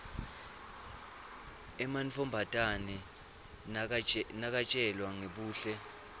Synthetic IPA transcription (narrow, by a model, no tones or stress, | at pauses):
ɛmant͡fʰɔmbʱatʼanɛ | nak̬at͡ʃʼɛlwaŋeɓuːɬɛ